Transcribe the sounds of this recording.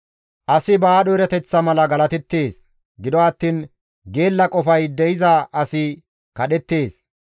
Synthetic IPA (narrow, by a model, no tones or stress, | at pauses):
ʔɐsɪbaːɗɔɪɾɐt̪ɛt͡sːɐmɐlɐɡɐlɐt̪ɛt̪ːe̞ːs | ɡɪd̪ɔɐt̪ːiːn | ɡe̞ːlːɐkʼɔfɐjd̪ɛjɪzɐɐsɪ | kɐɗɛt̪ːe̞ːs